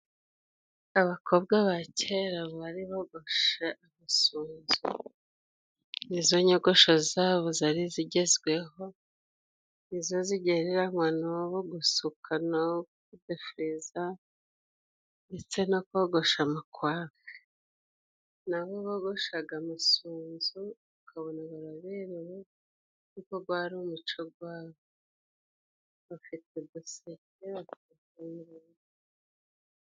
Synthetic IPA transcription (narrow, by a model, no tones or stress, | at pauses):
aβakʰobɡaβacʰeɾaβaɾiβoɡo̞ʃeʔamasuːnzṵ | nizoɲoɡo̞ʃozaːβozaɾiziɟe̞zɡwe̞ɦo̞ | nizo̞ziɟeɾeɾaŋwanoβoɡusukʰano | udefuɾiza | ndet͡senokoɡoʃamakwaːve̥ | naβoβoɡo̞ʃaɡamasuːnzuβukʰaβonaβaɾaβeɾeɾe | nukoɡɡwaːɾiumut͡ʃoɡwaːβo | βafitedoseteβatiitamiɾaβi